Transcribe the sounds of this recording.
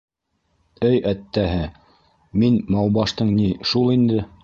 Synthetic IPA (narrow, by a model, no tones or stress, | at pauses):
ɘjæt̪ːæɦɘ | minmɑw̪ˠbɑʃt̪ɤɴniʃulˠind̪ɘ